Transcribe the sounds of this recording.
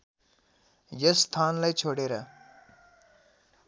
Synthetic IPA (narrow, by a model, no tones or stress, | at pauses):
jʌst̪ʰanlajt͡sʰoɽeɾʌ